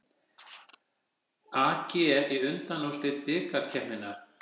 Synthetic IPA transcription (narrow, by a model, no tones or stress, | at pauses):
aːcɛɛɾʏnt̪anowst̪ɪt̪̚pɪːkaɾ̥cʰɛmɪnːaɾ̥